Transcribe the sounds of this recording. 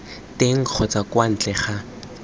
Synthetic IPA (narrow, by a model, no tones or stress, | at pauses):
teŋ̩k͡xʰɔt͡sakwan̩t͡ɬɛχa